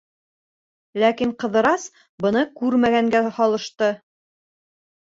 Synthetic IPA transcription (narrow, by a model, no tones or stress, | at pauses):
lækiɴqɤ̆ðɤ̆ɾɑs | bɤ̆nɤkʉɾmæɡæŋɡæhɒlˠɤ̆ʃt̪ɤ